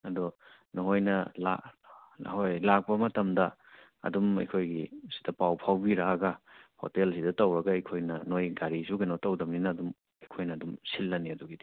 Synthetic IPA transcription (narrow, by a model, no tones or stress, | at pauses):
ɐdɔ | nɔɦojnɐla̰ | hojlak̚pɐmɐtɐmdɐ | ɐ̰dumɐ̰jkʰojɡisi̥dɐpawpʰawbiɾaɐɡɐho̰telsidɐtɐwɾɐɡɐɐjkʰojnɐnojɡaɾisuɡɐnotɐwdɐmninɐːdum | ɐjkʰojnɐːdumsilːɐniɐduɡidi